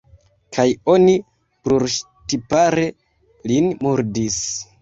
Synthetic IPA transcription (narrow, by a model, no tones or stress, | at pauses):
kʰajo̞ni | pluɾʃ | tipaɾe̞ | linmuɾdis